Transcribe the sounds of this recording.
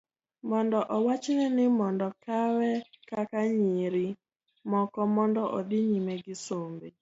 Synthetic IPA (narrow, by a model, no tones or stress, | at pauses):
mɔndɔʔɔwat͡ʃnɛnɪmɔndɔkawɛkakaɲiɾi | mɔkɔmɔndɔʔɔd̪ɪɲimeɡɪsombe